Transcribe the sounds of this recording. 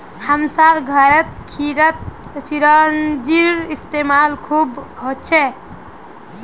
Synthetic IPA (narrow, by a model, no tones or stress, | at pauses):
həmsaɾɡʱəɾət̪̚kʰiɾət̪̚siɾənd͡ʒiɾist̪emalkʰubɦot̚t͡ʃʰɛ